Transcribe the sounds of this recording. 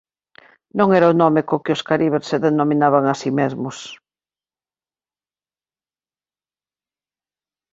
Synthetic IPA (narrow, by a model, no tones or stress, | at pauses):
nõŋɛɾaʊnɔmekokɪʊskaɾiβ̞eɾseðenomĩnaβaŋasimezmʊs